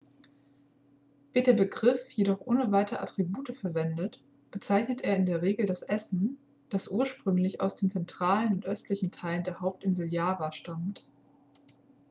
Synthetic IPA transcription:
vɪːɐtd̥eːɐbəɡʁɪfjedɔχʔoːnəvaɪtəəʔa̰tʁ̥ibuːtəfɛɐvɛndət | b̥ət͡saɪçnətʔeːɐɪndeːɐʁ̞eːɡl̩dasʔɛsn̩ | d̥asʔuːɐʃpʁ̥ʏŋlɪça̰ʊsd̥eːnt͡sɛntʁ̥aːlənʊntʔœstʰlɪçn̩tʰaɪləndeːɐɦaʊp̚tʔɪnzəl̩jaːvaʃtamt

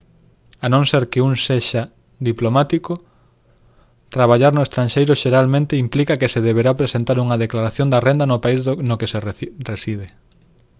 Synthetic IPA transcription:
anõŋseɾkeuŋseʃa | d̪iplomat̪ikʊ | t̪ɾaβaʎaɾnʊest̪ɾanʃejɾʊʃeɾalmẽnt̪eimplikɐkeseðeβeɾapɾesent̪aɾuŋɐðeklaɾaθjond̪ɐrend̪ɐnopaiznokeseresið̞e

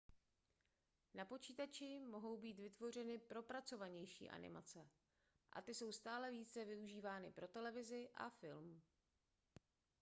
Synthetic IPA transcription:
napo̞t͡ʃiːt̪at͡ʃɪmo̞ɦo̞wbiːt̪vɪt̪vo̞r̝ɛnɪpɾo̞pɾat͡so̞vaɲɛjʃḭːʔa̰nɪ̰ma̰t͡sɛ | ʔa̰t̪ɪso̞wst̪aːlɛviːt͡sɛvɪuʒiːvaːnɪpɾʔo̞t̪ɛlɛvɪzɪʔa̰fɪlm

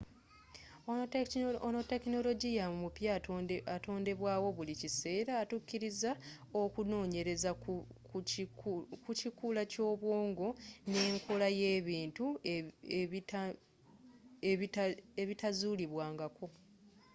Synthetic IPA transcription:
onote̞kino̞lo̞ɟijamumupjaato̞ːnde̞βwaːwo̞βulicise̞ːɾaːtukːiɾiza | o̞kuno̞ːɲe̞ɾe̞za | kucikulaco̞ːβwo̞ːŋɡo̞ne̞ːŋkʰolaje̞ːβiːntu | eeβitazuːliβwaːŋɡako̞

